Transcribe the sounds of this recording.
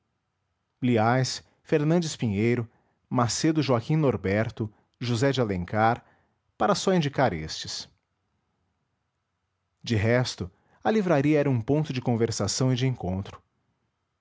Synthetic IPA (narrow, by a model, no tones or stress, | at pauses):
bliajs | feɾnɐ̃d͡ʒɪspĩɲejɾʊ | mased̪ʊʒuakĩnoɾbɛɾt̪ʊ | ʒuzɛd͡ʒɪalẽŋkaɾ | paɾɐsɔĩnd͡ʒikaɾest͡ʃɪs | d͡ʒɪɦɛst̪ʊ | ɐlivɾaɾiɐɛɾɐũpõnt̪ʊd͡ʒɪkõveɾsasɐ̃w̃ɪd͡ʒɪẽŋkõnt̪ɾʊ̥